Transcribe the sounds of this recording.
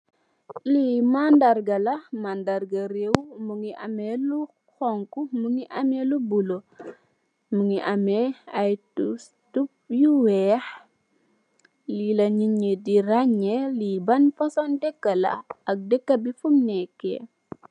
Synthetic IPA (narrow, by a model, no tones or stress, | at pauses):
limandarɡɐlɐmandaɾɡɐɾewmuŋiʔɐmɛlu | xɔŋkumuŋiʔɐmɛlubulo | muŋiʔɐmɛɐj | tup̚juwɛːx | lilɐɲiɲediɾaɲɛlibɐnfɐsɔndɛkːɐlɐ̰ɐk̚dɛkːɐbifumnɛkːɛ̰